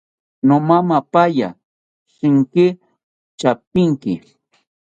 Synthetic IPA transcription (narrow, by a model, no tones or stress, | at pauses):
nomamapaja̰ | ʃɪŋkɪ | t͡ʃap̚ɪŋkɪ̰